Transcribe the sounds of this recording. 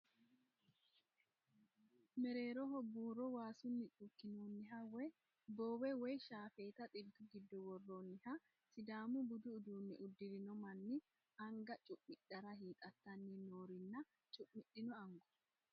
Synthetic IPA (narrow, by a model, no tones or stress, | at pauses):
mɛɾeːɾɔhɔbːuːɾɔwaːsʊnːɪt͡ʃʼʊkːɪnuːnːɪɦɐwɛ | boːwɛwɛjʃaːfeːt̪ɐt̪ʼɪbd̪ʊɡɪd̪ːɔwɔrːoːnːɪhɐ | sɪd̪aːmʊbʊd̪ʊːd̪uːnːɪʔʊd̪ːɪɾɪnɔmɐnːɪ | ɐŋɡɐt͡ʃʼʊʔɪᶑɐɾɐɦiːt̪ʼɐt̪ːɐnːinoːɾɪnːɐ | t͡ʃʼʊʔmɪɗɪnɔɐŋɡɔ̥